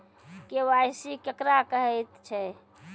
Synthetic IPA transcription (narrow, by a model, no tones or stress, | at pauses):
kewajsikəkɾakəɦɛjt̪t͡ʃʰɛ